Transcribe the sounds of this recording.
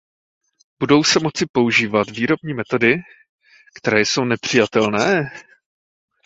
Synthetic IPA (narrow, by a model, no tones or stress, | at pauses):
b̥udo̞wsɛmo̞t͡sɪpo̞uʒiːvat̪viːɾo̞bɲiːmɛt̪o̞dɪ | kt̪ɛɾɛːjso̞wnɛpr̝̥ɪjat̪ɛlnɛː